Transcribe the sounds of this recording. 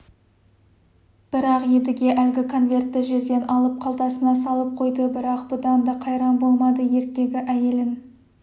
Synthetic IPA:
b̥ɪɾɑqje̞d̪ɪɡʲe̞ʔælɡʲɪkʰo̞nvʲe̞rt̪ːɪʒe̞ɾd̪e̞nʔɑlˠəp̚qʰɑlˠd̪ɑsənɑsɑlˠəp̚qʰo̞jd̪əbɪɾɑqb̥ʊd̪ɑnd̪ɑqʰɑjɾɑmbo̞lˠmɑd̪əje̞ɾk̚t̪ʲe̞ɡʲɪʔæje̞lɪn

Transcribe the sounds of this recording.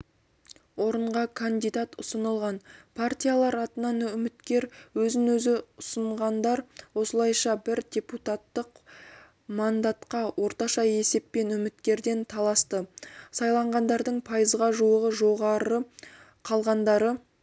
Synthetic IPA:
wo̞ɾəɴʁɑkʰand̪ijd̪at̪ʊsənəlˠʁɑnpʰart̪ʲijalˠɑɾɑt̪ənɑnʏmɪt̪kʲe̞ɾwɵzɪŋwɵzɪʊsəɴʁɑnd̪ɑɾwo̞səlˠɑjʃɑbɪɾdʲe̞put̪at̪ːəq | mand̪at̪qɑwʔo̞ɾt̪ɑʃɑe̞se̞ppe̞nʏmɪt̪kʲe̞ɾd̪e̞nt̪ʰɑlˠɑst̪əsɑjlˠɑɴʁɑnd̪ɑɾd̪əɴpʰɑjəzʁɑʒuəʁəʒo̞ʁɑɾə | qʰɑlˠʁɑnd̪ɑɾə

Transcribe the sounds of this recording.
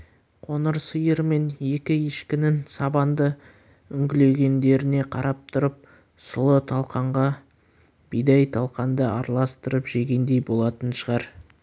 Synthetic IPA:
qʰo̞nəɾsəjəɾme̞ne̞kʲɪeʃkʲɪnɪnsɑbɑnd̪ə | ʏŋɡʲɪle̞ɡʲe̞nd̪e̞ɾɪne̞qʰɑɾʔɑp̚t̪ʰʊɾəp̚ | sʊlˠət̪ʰɑlˠqɑɴʁɑ | b̥ijd̪ɑjt̪ʰɑlˠqɑnd̪əɑɾlˠɑst̪əɾəpʒe̞ɡʲe̞nd̪e̞jbo̞lˠɑt̪ənʃəʁɑɾ

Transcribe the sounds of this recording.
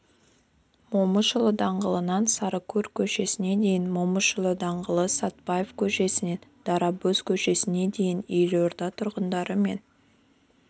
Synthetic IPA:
moməʃəlˠəd̪ɑɴʁəlˠənɑnsɑɾəkʲʰɵɾkʲʰɵʃe̞sɪne̞d̪e̞jɪnmoməʃəlˠəd̪ɑɴʁəlˠəsɑt̪̚pɑjefkʲʰɵʃe̞sɪne̞nd̪̥ɑɾɑbɵzkʲʰɵʃe̞sɪne̞d̪e̞jɪnejʒoɾd̪ɑt̪ʰʊɾʁənd̪ɑɾəme̞n

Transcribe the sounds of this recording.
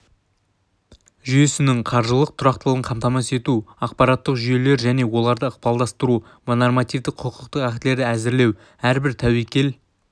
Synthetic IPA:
ʒʏje̞sɪnɪɴqʰɑɾʒəlˠəq̚t̪ʰʊɾɑq̚t̪əlˠəʁəɴqʰɑmt̪ɑmɑse̞t̪uɑq̚pɑɾɑt̪ːəqʒʏje̞le̞ɾʒæne̞wo̞lˠɑɾd̪əəq̚pɑlˠd̪ɑst̪əɾu | mnormɑt̪ijvd̪ɪqqʰːəqʰəqt̪əqækt̪ɪle̞ɾd̪ɪæzɪɾle̞w | æɾbɪɾt̪ʰæwejkʲe̞l

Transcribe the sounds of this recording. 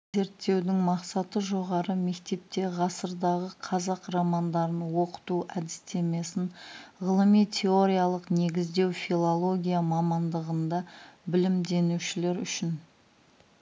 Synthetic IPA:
ze̞ɾt̪ːe̞wd̪ɪŋmɑqsɑt̪əʒo̞ʁɑɾəme̞kt̪e̞p̚t̪e̞ʁɑsəɾd̪ɑʁəqʰɑzɑqrɑmɑnd̪ɑɾənwo̞qə̥t̪uʔæd̪ɪst̪e̞me̞sɪnʁəlˠəmijt̪ʲʰe̞o̞ɾʲijalˠəqne̞ɡʲɪzd̪e̞wfilˠolˠo̞ɡʲijamɑmɑnd̪əʁənd̪ɑbɪlɪmd̪e̞nuʃɪle̞ɾʏ̰ʃɪn

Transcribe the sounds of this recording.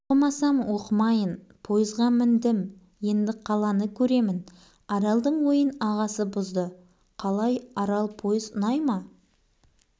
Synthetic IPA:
mɑsɑmwoqəmɑjən | pʰo̞jəzʁɑmɪnd̪ɪm | je̞nd̪ɪqʰɑlˠɑnəkʲʰɵɾe̞mɪn | ɑɾɑlˠd̪əɴwo̞jənɑʁɑsəbʊzd̪ə | qʰɑlˠɑjɑɾɑlˠpʰo̞jəzʊnɑjmɑ

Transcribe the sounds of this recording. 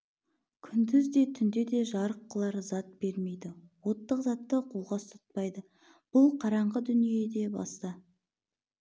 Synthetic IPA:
kʲʰʏnd̪ɪzd̪e̞t̪ʰʏnd̪e̞d̪e̞ʒɑɾəqːəlˠɑɾzɑt̪̚be̞ɾme̞jd̪ɪwo̞t̪ːəqzɑt̪ːəqʰolˠʁɑst̪ʰʊ̥t̪̚pɑjd̪ə | b̥ʊlˠqʰɑɾɑɴʁəd̪ʏnije̞d̪e̞bɑ̰st̪ɑ

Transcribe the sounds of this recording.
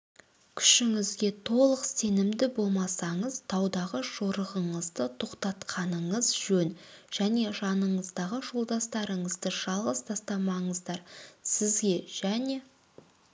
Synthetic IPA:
kʲʰʏ̥ʃɪŋɪzɡʲe̞t̪ʰo̞lˠəqse̞nɪmd̪ɪbo̞lˠmɑsɑɴəzt̪ʰɑwd̪ɑʁəʒo̞ɾəʁəɴəzd̪ət̪ʰo̞qt̪ɑt̪qʰɑnəɴəzʒ̥ɵnʒ̥æne̞ʒɑnəɴəzd̪ɑʁəʒo̞lˠd̪ɑst̪ɑɾəɴəzd̪əʒ̥ɑlˠʁəst̪ʰɑst̪ɑmɑɴəzd̪ɑɾsɪzɡʲe̞ʒ̥æne̞

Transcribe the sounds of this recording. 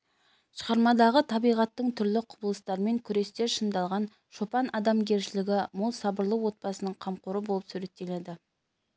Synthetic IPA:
ʃə̥ʁɑɾmɑd̪ɑʁət̪ʰɑbijʁɑt̪ːəɴt̪ʰʏɾlɪqʰʊbəlˠəst̪ɑɾəme̞ŋkʲʰʏɾe̞st̪e̞ɾʃənd̪ɑlˠʁɑn | ʃopɑnɑd̪ɑmɡʲe̞ɾʃɪlɪɡʲɪmʊlˠsɑbəɾlˠəwwo̞t̪̚pɑsənəɴqʰɑmqʊɾəbo̞lˠəpsuɾe̞t̪ːe̞le̞d̪ɪ

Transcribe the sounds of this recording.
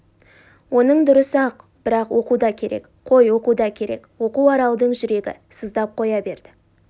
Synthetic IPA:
wo̞nəɴd̪ʊɾəsɑq | b̥ɪɾɑqwo̞qud̪ɑkʲʰe̞ɾʔe̞̰k | qʰo̞jwo̞qud̪ɑkʲʰe̞ɾʔe̞̰kwo̞quɑɾɑlˠd̪əɴʒʏɾe̞ɡʲɪ̰səzd̪ɑp̚qʰo̞jɑbe̞ɾd̪̥ɪ

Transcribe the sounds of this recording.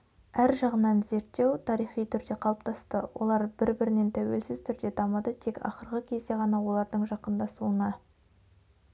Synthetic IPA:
æɾʒɑʁənɑnze̞ɾt̪ːe̞wt̪ʰɑɾijχijt̪ʰʏɾd̪e̞qʰɑlˠəp̚t̪ʰɑst̪əwʔo̞̰lˠɑɾbɪɾbɪɾɪne̞nt̪ʰæwelsɪzt̪ʰʏɾd̪e̞t̪ʰɑmɑd̪ət̪ʰe̞kɑ̰χəɾʁəkʲʰezd̪e̞ʁɑnɑwo̞lˠɑɾd̪əɴʒɑqənd̪ɑsuənɑ

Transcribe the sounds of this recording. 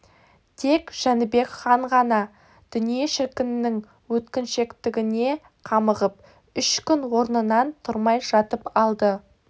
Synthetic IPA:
t̪ʰe̞kʒ̥ænbe̞kχɑɴʁɑnɑ | d̪̥ʏnije̞ʃɪɾkʲɪnɪnɪŋ | wɵt̪kʲɪnʃe̞kt̪ɪɡʲɪne̞ | qʰɑməʁəp | ʏʃkʲʏnwo̞ɾnənɑnt̪ʰʊɾmɑjʒɑt̪əpɑlˠd̪ə

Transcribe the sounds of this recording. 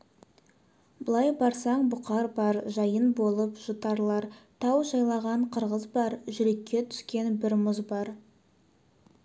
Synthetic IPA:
bəlˠɑjbɑɾsɑɴbʊqɑɾbɑɾʒɑjənbo̞lˠəpʒ̥ut̪ɑɾlˠɑɾt̪ʰɑwʒɑjlˠɑʁɑɴqʰəɾʁəzbɑɾʒʏɾe̞kʲːe̞t̪ʰʏ̥skʲe̞nbɪɾmʊzbɑɾ

